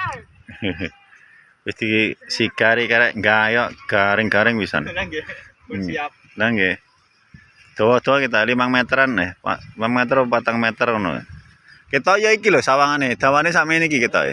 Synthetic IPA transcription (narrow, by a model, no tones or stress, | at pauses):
wist̪isiɡ̥aɾikaɾɛʔŋɡajɔʔɡ̥aɾɪŋɡ̥aɾɪŋpisa̰n | naŋɡe | d̪̥owɔd̪̥owɔkit̪ɔlimaŋmɛt̪əɾanːehpa̰maŋmɛt̪ərpat̪aŋmɛt̪əɾɔnṵ | kit̪ɔjɔikilosawaŋaned̪̥a̤wanesamanikikit̪ɔḛ